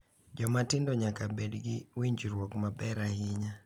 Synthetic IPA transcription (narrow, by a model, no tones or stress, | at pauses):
d͡ʒɔmatɪndɔɲakabɛdɡiwiɲd͡ʒiɾwɔkmabɛɾahɪɲa